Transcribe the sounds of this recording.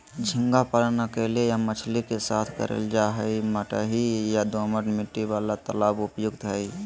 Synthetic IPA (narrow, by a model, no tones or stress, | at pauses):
d͡ʒʱɪ̃ŋɡapəlnakelejamət͡ʃʰlikesaːt̪ʰkə̰ɾḛld͡ʒaɦɛiməʈa̰ɦijad̪oməʈmɪʈːiʋaːlat̪əlaːbʊpjʊɡt̪ɦɛi